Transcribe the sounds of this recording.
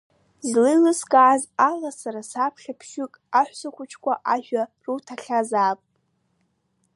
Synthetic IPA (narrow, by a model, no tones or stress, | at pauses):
zlɨlɨskʼaːzalasaɾasapʰχʲapʰʃʏkʼaħʷsakʷʊt͡ʃʰkʷʰʼaʔaʒᶣarutʰaɬʲazaːpʼ